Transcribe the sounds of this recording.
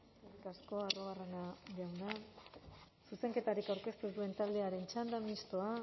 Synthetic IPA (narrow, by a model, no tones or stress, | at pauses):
rikasko̞aroɣare̞naʝawna | suse̞ŋke̞t̪aɾikawɾke̞st̪usue̞nt̪ald̪e̞aɾe̞nt͡ʃand̪amist̪oa